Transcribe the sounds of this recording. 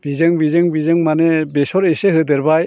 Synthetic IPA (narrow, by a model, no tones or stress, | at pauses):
b̥izɯŋbizɯŋbizɯŋmanebesɔɾesehɯd̪ɯɾbaj